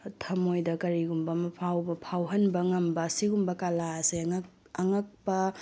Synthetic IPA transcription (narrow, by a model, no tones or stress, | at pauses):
tʰɐmojdɐkɐɾiɡumbɐmɐpʰawbɐpʰawɦɐnbɐŋɐmbɐːsiɡumbɐkalaɐseŋ | ɐŋɐk̚pɐ